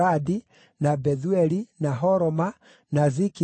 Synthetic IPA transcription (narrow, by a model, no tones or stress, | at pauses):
adi | nabɛðuɛlinaɦɔɾɔma | naziki